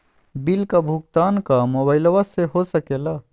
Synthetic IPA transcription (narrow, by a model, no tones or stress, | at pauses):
bilkabʱuk̚t̪aːnkamoːbaːɪlʋaseɦosəkeːla